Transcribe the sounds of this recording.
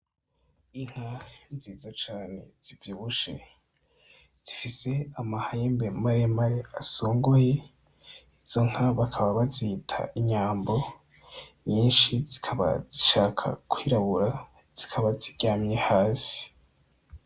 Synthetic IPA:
iŋ̥haziːzat͡ʃaːne̞z̥ivjiβuʃe̞̰ | z̥ifise̞amahajembemaɾemaɾeasoːŋɡoje̞ | iz̥o̞ŋ̥haβakʰaβaβaziitʰa̰ʔiɲaːmbo̞ | ɲiːnʃizi̥kʰaβa̰ziʃaːkʰa̰kwiːɾaβuɾa | z̥ikʰaβaziɟaːmɲehaːsi̥

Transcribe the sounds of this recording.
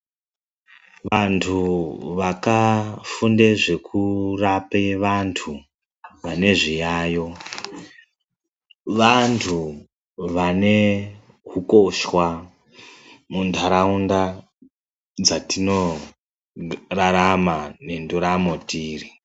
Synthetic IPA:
ʋantʰuʋakafundeʐe̞kʰurapeʋantʰu | ʋane̞ʐijaːjo̞ | ʋantʰu | ʋane̞ | kuko̞ʃwa | mundʱaɾaunda | d͡zatino̞ | raɾamane̞nduɾamotiːri

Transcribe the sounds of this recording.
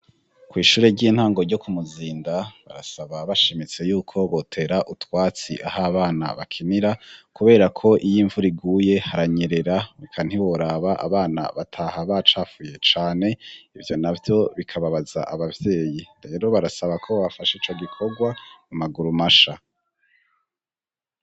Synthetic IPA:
kwiːʃuːɾeɟiːn̥haːŋɡo̞ɾɟo̞kumuziːndaβa̰ɾa̰saβaβaʃemit͡se̞juːkʰo̞βo̞tʰe̞ɾaʔutwaːt͡sḭʔahaβaːna̰βakʰiniɾakuβe̞ːɾakʰo̞ʔijiːɱvuɾiɡuːje̞haɾaɲeɾe̞ɾaβikʰan̥hiwo̞ɾaβaʔa̰βaːna̰βatʰahaβat͡ʃaːfuːje̞t͡ʃaːne̞ivjo̞navjo̞βikʰaβaβaza̰ʔaβavje̞ːjiɾe̞ːɾo̞βaɾasaβakʰoβafaʃeit͡ʃo̞ɡikʰo̞ɡwamumaɡuɾumaʃa

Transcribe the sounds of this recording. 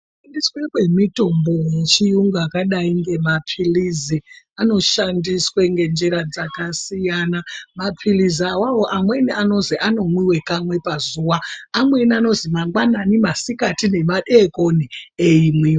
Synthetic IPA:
ʃandiswe̞kwe̞mito̞mbo̞je̞t͡ʃijuŋɡakaɗaiŋɡe̞mapʰilizi | ano̞ʃandisweŋɡe̞nd͡ʒiɾad͡zakasijanamapʰiliziawawo̞ʔamwe̞niano̞ziʔano̞mwiwe̞kamwe̞pazuːwaːmwe̞niano̞zimaŋɡwananimasikatinemaɗekonieimwiːwe

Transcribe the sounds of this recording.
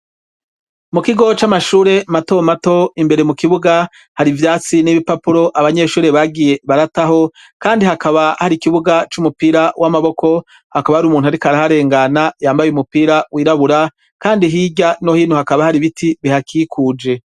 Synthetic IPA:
mukiɡo̞t͡ʃamaʃuːɾe̞mato̞mato̞imbe̞ɾe̞mukiβuɡa | haɾivjaːt͡siniβipapuɾo̞ʔaβaɲe̞ːʃuːɾe̞βaɡije̞βaɾataho̞ | kaːndihakaβahaɾikiβuɡat͡ʃumupiɾawʔamaβo̞kʰo̞ | hakaβahaɾiumuːn̥uhaɾikaɾahaɾe̞ːŋɡanajaːmbajeumupiːɾawʔiːɾaβuɾa | kaːndiɦiːɟanohiːnuhakaβahaɾiβitʰiβihakikʰuːd͡ʒe̞

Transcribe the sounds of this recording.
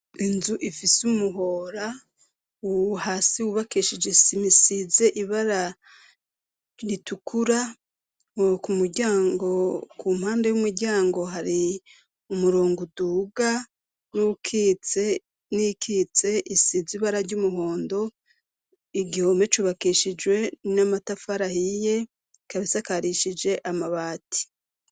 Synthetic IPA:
inzuʔifisumuɦo̞ɾa | uhaːsiwuβakiʃid͡ʒesimisize̞ʔiβaɾa | ɾitukʰuɾa | kumuɾɟaːŋɡo̞kum̥haːnde̞jumuɾɟaːŋɡo̞ɦaɾi | umuɾoːŋɡuduːɡa | nukʰit͡se | nikit͡se̞ʔisiziβaɾaɾɟumuɦoːndo̞ | iɡiho̞me̞t͡ʃuβakiʃid͡ʒwe̞namatafaɾahije̞ | kaβisakaɾiʃid͡ʒe̞ʔamaβaːti̥

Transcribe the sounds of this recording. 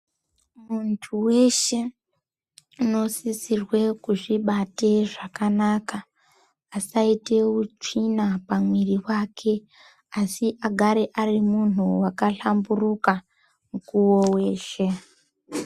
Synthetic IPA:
muntʰuwe̞ʃe̞ | uno̞sisirwe̞kuʐiɓate̞ʐakanaːka | asaite̞ut͡ʂinapamwiriwaːkʰe̞ | asiʔaɡʱaɾe̞ʔarimun̤uwakaɬamburuka | mukuwo̞we̞ːʃe̞

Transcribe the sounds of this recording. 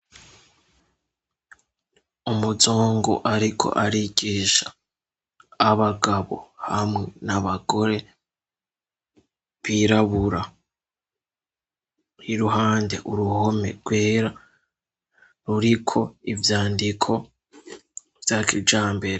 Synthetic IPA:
umuzoːŋɡo̰ʔaɾikʰo̞̰ʔaɾiɡiːʃḁː | βaɡaβo̞̰hamŋe̞naβaɡo̞ɾe̞ | βiɾaβuɾa | hiɾuɦaːnde̞ʔuɾuho̞me̞̰ɡ̥we̞ːɾa | ɾuɾikʰo̞ivjaːndikʰo̞ | vjakʰid͡ʒaːmbe̞ɾe

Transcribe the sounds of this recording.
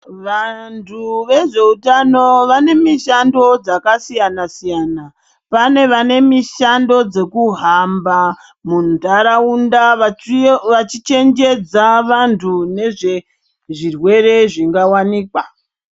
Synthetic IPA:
ʋantʰuʋe̞ʐe̞utano̞ʋane̞miʃando̞d͡zakasijanasijaːna | pane̞ʋane̞miʃando̞d͡ze̞kuɦamba | mundaɾaunda | ʋat͡ʃit͡ʃe̞ŋd͡ʒe̞d͡zaʋantʰune̞ʐe̞ | ʐirwe̞re̞ʐiŋɡawaniːkwa

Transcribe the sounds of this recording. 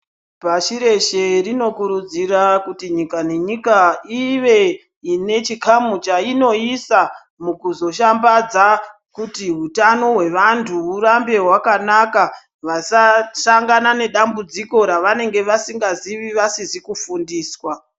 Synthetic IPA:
paʃiɾe̞ʃe̞rino̞kuɾud͡ziɾakutiɲikane̞ɲikaiʋe̞ | ine̞t͡ʃikamut͡ʃaino̞isa | mukuzo̞ʃambad͡za | kutiɦutano̞ɦwe̞ʋantʰuurambe̞ɦwakanaka | ʋasaʃaŋɡanane̞ɗambud͡ziko̞ɾaʋane̞ŋɡe̞ʋasiŋɡaziʋiʋasizikufundiːswa

